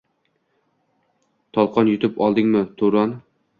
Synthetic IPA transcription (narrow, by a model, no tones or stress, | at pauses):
t̪ʰɒlˠqɑnjʊt̪ɪpɒlˠd̪ɪŋmɪt̪ʰuɾɒn